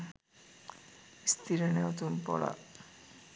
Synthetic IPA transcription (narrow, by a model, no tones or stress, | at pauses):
st̪ʰiɾenɛwt̪ompɔ̰ɽa̰